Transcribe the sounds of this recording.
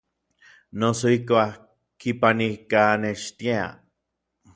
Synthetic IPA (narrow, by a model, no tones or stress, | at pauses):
nosoihkʷa | kipanikaneʃt̪jea̰